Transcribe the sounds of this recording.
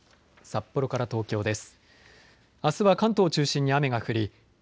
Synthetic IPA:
sapːo̞ɾo̞kaɾat̪o̞ːkʲo̞ːd̪e̞sɨ̥ | asɨβakãnt̪o̞ːt͡ɕɨːɕĩɲ̟ːiame̞ɡaɸɯ̟ɾʲi

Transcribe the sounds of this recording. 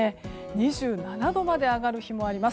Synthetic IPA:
eɲ̟iʑɨːnanad̪o̞mad̪e̞aɡaɾɯ̟çimo̞aɾʲimas

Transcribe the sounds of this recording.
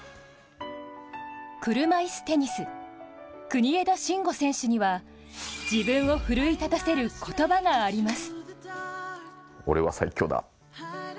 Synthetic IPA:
kɯ̟ɾɯ̟maisɨ̥t̪e̞ɲ̟isɨ | kɯ̟ɲ̟ie̞d̪o̞ɕĩŋɡo̞sẽ̞ɰ̃ɕɨɲ̟iβa | d͡ʑibɯ̃ɰ̃o̞ɸɯ̟ɾɯ̟it̪at̪ase̞ɾɯ̟kʰo̞t̪o̞baɡaːɾʲimasɨ̥ | o̞̰ɾe̞βa̰saikʲːo̞ːd̪a̰

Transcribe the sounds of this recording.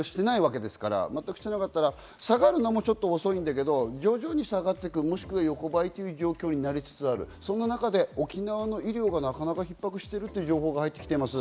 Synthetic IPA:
ɕi̥t̪e̞naiβak̬e̞d̪e̞sɨ̥kaɾa̰mat̪ːakɯ̟ɕi̥t̪e̞nakat̪ːaɾa | saɡaɾɯ̟namo̞t͡ɕo̞t̪ːo̞ːso̞ĩnd̪ak̬e̞d̪o̞d͡ʑo̞ːʑo̞ːɲ̟isaɡat̪ːe̞kɯ̟mo̞ɕi̥kɯ̟βajo̞ko̞bait̪ːe̞jiɯ̟ʑo̞ːkʲo̞ːɲ̟inaɾʲit͡sɨ̥t͡sɨaɾɯ̟̰sõ̞nːanakad̪e̞o̞kʲinaβano̞iɾʲo̞ːɡanakanakaçipːakɯ̟ɕi̥t̪e̞ɾɯ̟t̪ːeiɯ̟ʑo̞ːɦo̞ːɡahait̪ːekʲi̥t̪e̞imasɨ

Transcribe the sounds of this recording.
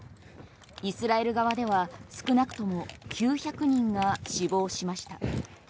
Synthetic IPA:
isɨɾae̞ɾɯ̟ɡaβad̪e̞β̞asɨ̥kɯ̟nakɯ̟̥t̪o̞mo̞kʲʰɨːçakɯ̟ɲ̟ĩŋɡaɕibo̞ːɕimaɕi̥t̪a

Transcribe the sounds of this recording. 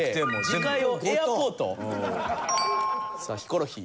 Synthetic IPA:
eemikaiojaoːt̪o̰ | sa̰çi̥ko̞ɾoçḭ

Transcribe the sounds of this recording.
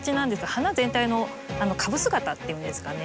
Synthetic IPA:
t͡ɕinãnd̪e̞sɨɡahanazẽ̞nt̪aino̞ | ano̞kʰabɯ̟sɨɡat̪at̪ːe̞jɯ̟̃nd̪e̞sɨ̥kane

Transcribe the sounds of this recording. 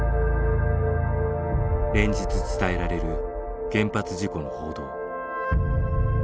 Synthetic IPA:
ɾẽ̞ɲ̟d͡ʑit͡sɨt͡sɨ̥t̪ae̞ɾaɾe̞ɾɯ̟ | ɡ̥ẽ̞mpat͡sɨʑiko̞no̞ho̞ːd̪o̞ː

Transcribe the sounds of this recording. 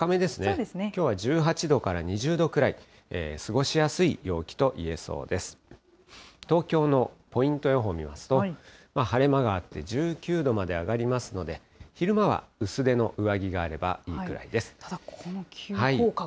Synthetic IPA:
kame̞d̪e̞sɨned̪snkʲo̞ːβaʑɨːɦat͡ɕid̪o̞kaɾaɲ̟iʑɨːd̪o̞kɯ̟ɾai | eːsɨɡo̞ɕijasɨijo̞ːkʲi̥t̪o̞ʔie̞so̞̰ːd̪e̞sɨ̥ | t̪o̞ːkʲo̞ːno̞po̞ĩnt̪o̞jo̞ɦo̞mʲimasɨ̥t̪o̞mahaɾe̞maɡaːt̪ːe̞d͡ʑɨːkʲɨːd̪o̞mad̪e̞aɡaɾʲimasɨno̞d̪e̞ | çiɾɯ̟maβa̰ɯ̟sɨd̪e̞no̞ʔɯ̟βaɡʲiɡaːɾe̞ba̰iːkɯ̟ɾa̰id̪e̞sɨ̥ohai

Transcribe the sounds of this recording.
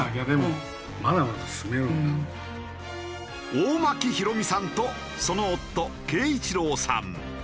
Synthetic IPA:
aɡʲad̪emo | mad̪amad̪asɨmeo | oːmakʲiçiɾo̞mʲisãnt̪o | so̞noːt̪ːo̞ke̞ːit͡ɕiɾo̞ːsã̰n

